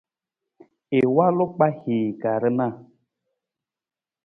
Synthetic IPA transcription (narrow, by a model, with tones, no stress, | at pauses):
e˨wa˦lo˦k͡pa˦hi˨ɡa˨ɾə˦na˦˨